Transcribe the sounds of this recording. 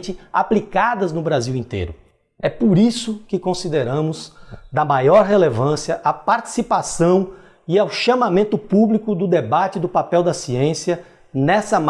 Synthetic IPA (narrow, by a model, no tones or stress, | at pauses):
t͡ʃɪa̰plikad̪ɐznʊbɾaziwĩnt̪ḛjɾʊ | ɛpoɾisʊkɪkõsid̪eɾɐ̃mʊzd̪ɐmajɔɾɦelevɐ̃siɐʔapaɾt͡ʃi̥sipasɐ̃w̃ | iawʃɐ̃mamẽnt̪ʊpublikʊd̪ʊd̪ebat͡ʃɪd̪ʊpapɛwd̪ɐsiẽsiɐ | nɛsɐm